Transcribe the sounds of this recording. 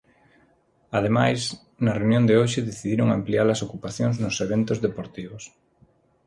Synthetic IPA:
að̞emajs | nɐreunjõnd̪eoʃɪðeθiðiɾoŋamplialɐsokupaθjoŋznʊseβent̪ʊzðepoɾt̪iβʊs

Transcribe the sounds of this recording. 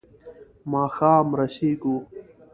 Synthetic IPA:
maːxaːmɾɐɕiːɡuː

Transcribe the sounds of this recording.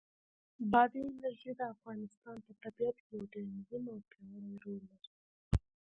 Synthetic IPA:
bɑd̪iɪnaɾʒid̪əafɣɑnɪst̪ɑnp̪ət̪abiat̪kjawɖanzimawt̪ʰanaɾajɾolːaɾi

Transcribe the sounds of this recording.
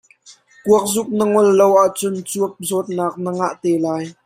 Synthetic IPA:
kuək̚zʊk̚nəŋɔlːowʔaʔt͡sʊnt͡suəp̚zɔt̪̚naːk̚nəŋaʔt̪ɛːlaːj

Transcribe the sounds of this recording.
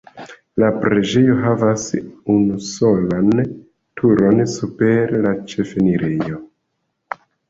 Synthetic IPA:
lapɾe̞d͡ʒe̞jo̞ɦavasunuso̞lan | tʰuɾo̞nsupe̞ɾlat͡ʃe̞fe̞niɾe̞jo̞

